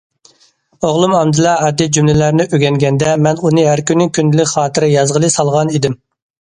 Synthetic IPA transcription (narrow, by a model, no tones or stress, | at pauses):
oʁlˠumɑmd̪ɨlˠɑɑd̪id͡ʒymlɪlæɾnɪʔøɡʲɛŋɡʲɛnd̪ɛmɛnunɨɦæɾkʲynːɪŋkʲyndɪlɪkʲχɑːt̪ʰɨɾɪjɑzʁəlˠɨsɑlˠʁɑnid̪ɪm